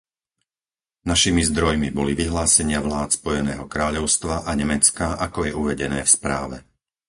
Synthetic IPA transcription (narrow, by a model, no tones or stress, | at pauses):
naʃimizd̪ɾɔjmibɔliʋiɦlaːsɛɲɪaʋlaːt̪spɔjɛnɛ̰ːɦɔkɾaːʎɔʊst̪ʋaʔaɲɛmɛt͡skaʔakɔjɛuʋɛɟɛnɛ̰ːfspɾa̰ːʋɛ̰